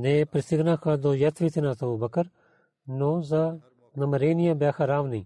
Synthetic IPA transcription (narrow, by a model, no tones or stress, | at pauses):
nẽːpɾɪsɪɡnãːkʰaːd̪oːjɐt̪ʰʋiːt̪ʰinãːt̪ʰɐuːbɐkəɾ | noːzaː | nɐməɾeːnɪjãːbjaːxʰaɾaːʋnĩː